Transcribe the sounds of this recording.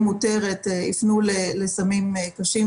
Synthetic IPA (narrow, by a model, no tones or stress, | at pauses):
muteʁetḭfnulelesamimkaʃi